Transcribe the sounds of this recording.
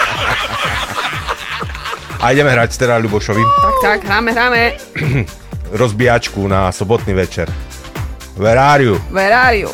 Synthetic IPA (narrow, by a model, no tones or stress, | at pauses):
ʔajɟɛmɛɦɾacst̪ɛɾaʎubɔʃɔʋiakt̪aɡɦɾaːmɛɦɾaːmɛ | ɾɔzbiat͡ʃkunasɔbɔt̪niːʋɛt͡ʃɛɾ | ʋɛɾaːɾiuʋɛɾaːɾiṵ